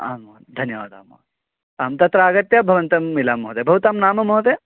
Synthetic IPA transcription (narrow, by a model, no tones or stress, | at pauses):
a̰ːmot̪d̪ʱɐnjɐʋaːd̪ʱa̰ːmo̰t̪e | aːmt̪ɐt̪ɾaːɡɐt̪jabʱɐʋɐnt̪ɐmːilaːmːoɦɐt̪ebʱɐʋɐt̪aːmnaːmɐmoɦɐt̪e